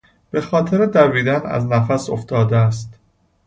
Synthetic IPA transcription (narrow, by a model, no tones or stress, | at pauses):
b̥e̞xɒːt̪ʰe̞ɾed̪æviːd̪ænæ̰znæfæso̞ft̪ɒːd̪eæst̪